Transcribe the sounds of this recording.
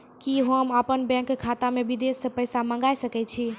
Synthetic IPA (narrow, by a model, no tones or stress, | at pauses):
kiɦəməpənbɛ̃ŋkkʰːat̪amebid̪esːə̃pəjsamə̃ŋɡajsəkɛt͡ʃʰi